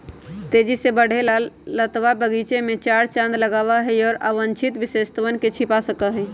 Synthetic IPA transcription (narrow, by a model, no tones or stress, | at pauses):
t̪ed͡ʒisebəɽ̤elalːət̪ʋabəɡit͡ʃemet͡ʃaɾt͡ʃãnd̪ləɡabaɦɛɔːɾa̰ʋənt͡ʃʰit̪ʋisest̪əʋənket͡ʃʰipasəkəɦɛ